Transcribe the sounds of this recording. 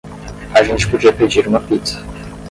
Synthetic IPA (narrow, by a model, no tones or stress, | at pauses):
aʒẽnt͡ʃɪ̥pod͡ʒiɐped͡ʒiɾũmɐpit̪sɐ̥